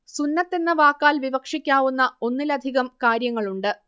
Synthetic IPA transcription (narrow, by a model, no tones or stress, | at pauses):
sunːɐt̪ːe̞nːɨʋaːkːaːlʋiʋɐkʂikʲːaːʋunːɐo̞nːilɐd̪ʱiɣɐmkaːɾjɐŋːɐɭuɳɖɨ